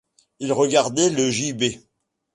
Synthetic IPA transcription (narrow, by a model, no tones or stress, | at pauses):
ilʁəɡaʁd̪ɛləʒibe